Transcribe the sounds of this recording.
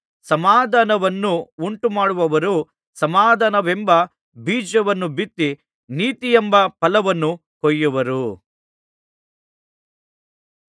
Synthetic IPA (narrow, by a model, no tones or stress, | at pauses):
sɐmaːd̪ʱanɐʋɐnːuuɳʈumaːɽuʋɐʋɐɾu | sɐmaːd̪ʱanɐʋembɐ | biːd͡ʒɐʋɐnːubit̪ːi | niːt̪ijembɐpɐlɐʋɐnːu | kɔjːuʋɐɾu